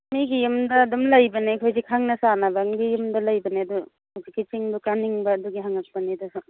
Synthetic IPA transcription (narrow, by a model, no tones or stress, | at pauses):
miɡijumdɐːdumlɐjbɐnekʰojzikʰaŋnɐsanabaŋɡijumdɐlɐjbɐneɐdu | zikːit͡ʃiŋbukaniŋbɐːduɡiɦaŋak̚pɐnid̪asu